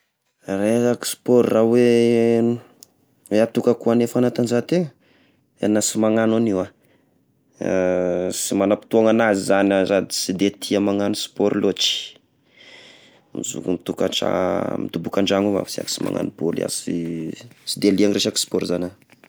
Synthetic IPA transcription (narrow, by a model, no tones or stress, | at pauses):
reaki̥si̥pɔɾrawe | eat̪ukakuanefanat̪anzat̪e | a̰nasimaŋananiwa | simanapi̥t̪uaŋanazizanazad̪isid̪et̪ʰiamaŋanusi̥pɔɾilot͡ʃi̥ | mizṵkumit̪uka̰ʈ͡ʂa̰mit̪ubukaɳɖ͡ʐaŋuva̰fsia̰ki̥sima̰ŋa̰nubolia̰si | sid̪eliaŋreʃaki̥spɔɾzana